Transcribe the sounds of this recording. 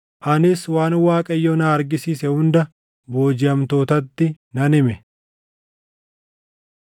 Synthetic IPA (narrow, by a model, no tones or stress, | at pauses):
ʔɐnɪswaːnwaːkʼɐjːoːnaːɐɾɡɪsiːsɛhʊnd̪ɐ | bo̞ːd͡ʒɪɐmt̪o̞ːt̪ɐt̪ːɪ | nɐnɪmɛ